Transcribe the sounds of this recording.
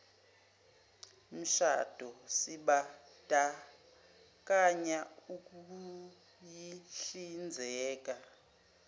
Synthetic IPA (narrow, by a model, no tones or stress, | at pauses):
m̩ʃa̰d̥ʱɔsiɓa | d̥ʱʼa | k̬ʼaɲauk̬uu | jiɬind͡zʱɛːk̬ʼa